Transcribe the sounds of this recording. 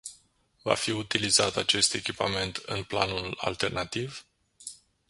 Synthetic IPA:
va̰fiut̪ilizat̪at͡ʃe̞st̪e̞kʲipame̞nt̪ʰɨ̰npla̰nula̰lt̪e̞rnat̪iv

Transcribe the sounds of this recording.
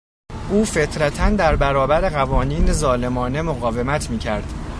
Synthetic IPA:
ʔuːfe̞t̪ʰɾæt̪ʰænd̪æɾbæɾɒːbæɾe̞ɣævɒːniːnezɒːle̞mɒːne̞moɣɒːve̞mæt̪ʰmiːcʰæɾd̪̥

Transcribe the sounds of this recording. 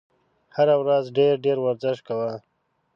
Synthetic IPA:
haɾawɾazɖeɾɖeɾwaɾzɪʃkawa

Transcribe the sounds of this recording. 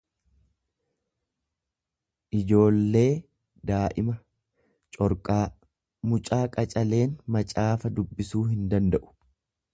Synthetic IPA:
ʔɪd͡ʒo̞ːlːe̞ː | d̪aːʔɪmɐ | t͡ʃʼɔɾkʼaː | mʊt͡ʃʼaːkʼɐt͡ʃʼɐle̞ːnmɐt͡ʃʼaːfɐd̪ʊbːɪsuːɦɪnd̪ɐnd̪ɐʔʊ̥

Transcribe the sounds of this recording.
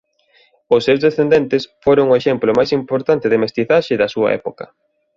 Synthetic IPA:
ʊsːewzðesθend̪ɛnt̪ɪsfoɾoŋʊeʃɛmplʊmajsimpoɾt̪ant̪ɪðɪmest̪iθaʃɪðɐsuɐ̰ɛ̰pokɐ̰

